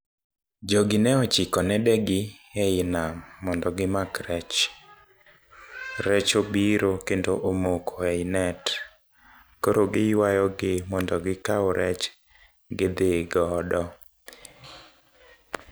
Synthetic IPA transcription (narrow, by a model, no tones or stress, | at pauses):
d͡ʒɔɡɪnɛɔt͡ʃɪkɔnɛdɛɡɪ | ɛɪnamɔndɔɡɪmakɾɛt͡ʃ | ɾɛt͡ʃobiɾokendoʔomokʰoɛɪnɛt | koɾoɡɪjwajɔɡɪmɔndɔɡɪkaɔɾʔɛt͡ʃ | ɡɪd̪ɪɡɔdɔ